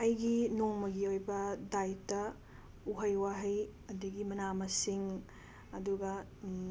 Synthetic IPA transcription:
ɐjɡinoŋmɐɡiojbɐdajtɐ | uɦɐjwaɦɐjɐdɐɡimɐnamɐsiŋ | ɐduɡɐ

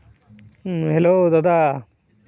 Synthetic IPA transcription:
ɦeloːt̪at̪a

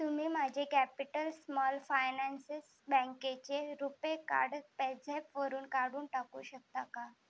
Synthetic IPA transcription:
t̪um̤iːmad͡ʑʱekæpiʈəlsmɔlfajnɛnses | bə̃ŋket͡ɕeɾupeka̰ɽpɛd͡zʱepʋəɾuːnkaɽuːnʈakṵːɕək̚t̪aka

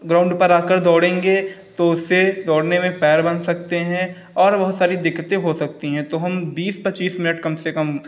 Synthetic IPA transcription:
ɡɾaːʊ̃ɳɖpɐɾaːkəɾd̪ɔːɽẽːŋɡet̪oʊsːed̪ɔːɽnemẽpɛːɾbɐnsɐkt̪eɦɛ̃ | ɔːɾbɐɦʊt̪saːɾid̪ɪkːət̪ẽɦosɐk̚t̪iɦɛ̃t̪oɦɐmbiːspɐt͡ʃiːsmɪnəʈkɐmsekɐm

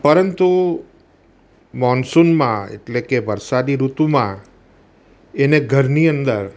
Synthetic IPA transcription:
pəɾənt̪u | mɔnsunmãḛʈlekeʋəɾsad̪iɾut̪umã | eneɡʱəɾniənd̪əɾ

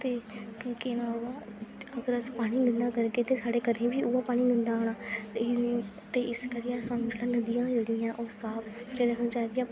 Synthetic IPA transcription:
t̪eːkenãʋaːəɡəɾəspaːɽ̃iːɡənd̪aːkəɾkeːt̪eːsaːɖeːkəɾẽːbiːʊaːpaːɽ̃iːɡənd̪aːoːɽaːt̪e | t̪eːʔɪskəɾiɛːsãːmd͡ʒlãːnəd̪ɪjãːd͡ʒeːɽɪãːʔoːsaːpʰsʊ̥t̪ʰɾeːɾəkʰnãːt͡ʃaːd̪ɪjãː

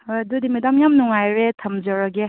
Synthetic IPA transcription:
dud̪imidamjamnuŋajɾet̪ʰɐmd͡ʒaɾaɡe

